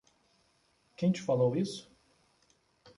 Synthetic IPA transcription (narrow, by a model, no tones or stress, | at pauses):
kẽj̃t͡ʃɪ̥falowisʊ̥